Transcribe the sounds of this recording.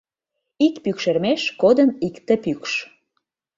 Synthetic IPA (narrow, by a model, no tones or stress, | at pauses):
ikpykʃermeʃkod̪ənikt̪ĕpykʃ